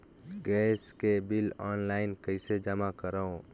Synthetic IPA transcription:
ɡɛːskebɪlɔːnlaːɪnkəɪsed͡ʒəmakəɾaõ

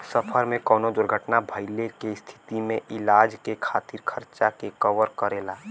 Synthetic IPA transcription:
səpʰəɾmẽkɔːnod̪ʊɾɡʱəʈnabʱəɪlekest̪ʰɪ̥t̪imẽʔɪlaːd͡ʒkekʰaːt̪iɾkʰəɾt͡ʃakekəʋəɾkəɾeːlaː

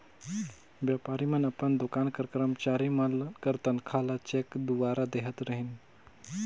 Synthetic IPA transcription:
bjaːpaɾimənəpənd̪ʊkaːnkəɾkɾəmt͡ʃaːɾimɐlkəɾt̪ɐnkʰalat͡ʃekd̪uʋaɾad̪eɦət̪ɾəɦin

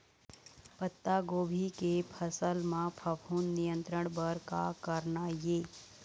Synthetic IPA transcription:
pət̪ːaɡoːbʱikepʰəsəlmãpʰəpʰuːnːijə̃nt̪ɾəɽ̃bəɾka̰kəɾnajeː

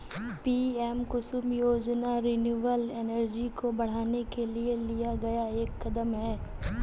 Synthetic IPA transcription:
piːɛːmkʊsʊmjoːd͡ʒnaɾinjuːʋəlɛːnəɾd͡ʒikobɐɽ̤aːnekelielijaɡɐjaeːkːɐd̪əmɦɛː

